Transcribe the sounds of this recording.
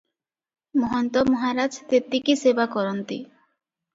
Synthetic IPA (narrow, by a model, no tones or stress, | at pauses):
mɔɦɔnt̪ɔmɔɦaɾad͡ʒt̪et̪ikisebakɔɾɔnt̪ḭ